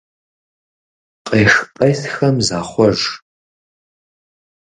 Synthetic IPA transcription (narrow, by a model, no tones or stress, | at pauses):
qʼeːxpʼɐjsxɐmzaːχʷɔʒ